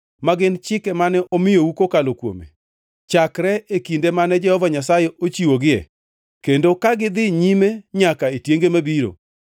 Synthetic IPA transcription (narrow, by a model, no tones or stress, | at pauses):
maɡɪnt͡ʃɪkɛmanɛʔɔmɪjoukokalokwo̰mḛ | t͡ʃakɾɛekindemanɛd͡ʒɛhɔvaɲasajɛʔot͡ʃiwoɡɪɛ̰ | kendokaɡɪd̪ɪɲimeɲakaetjeŋɡemabiɾo̰